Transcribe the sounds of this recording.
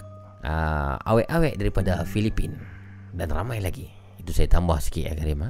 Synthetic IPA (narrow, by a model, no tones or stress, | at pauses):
ʔə̰a̰weʔawɛʔdaɾipadafilipin | danramajlaɡiː | t̪usajat̪ambahskiʔa̰kaɾima